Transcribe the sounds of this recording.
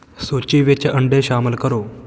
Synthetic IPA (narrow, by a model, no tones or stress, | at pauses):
sot͡ɕiʋet͡ɕeʔəɳɖeɕaːməlkəɾoː